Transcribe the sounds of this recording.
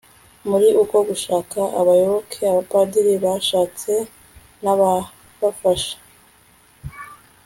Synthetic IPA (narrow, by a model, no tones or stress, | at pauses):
muɾiʔuko̞ɡuʃaːkaʔa̰βajo̞βokʰeaβapadiɾiβaʃaːt͡se̞ | naβa | βafaʃḁ